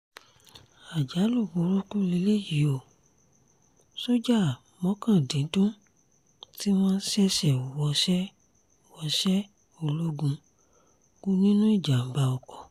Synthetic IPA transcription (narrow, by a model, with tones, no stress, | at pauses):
a˨d͡ʒa˨˦lu˦˨wu˧˨˦ɾu˦ku˦le˧˦le˦˨ji˨˦o˦˨ | so˦d͡ʒa˦˨ | mɔ̃˨˦kã˦˨dĩ˨˦dũ˦ | ti˦w̃ɔ̃ː˦sɛ˦ʃɛ˦˨u˨wɔ˧˦ʃɛ˦˨ | wɔ˧˦ʃɛ˦ | o˧lo˦ɡũ˧ | ɡ̥u˦nĩ˦nũ˦i˦˨d͡ʒa˨m̩˨ba˧ɔ˨kɔ˨